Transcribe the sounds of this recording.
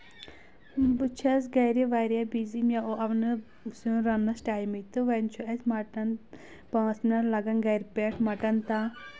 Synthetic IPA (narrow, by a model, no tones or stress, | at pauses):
but͡ʃʰɐs̬ɡɐjɾiʋaɾjabizimjaoɐʋnɨ | suɾɐnːɐsʈaːjmit̪ɨʋɐnt͡ʃʰuɐsmɐʈɐn | pãːsnɐlɐɡɐnɡɐjɾpeʈʰmɐʈɐnt̪a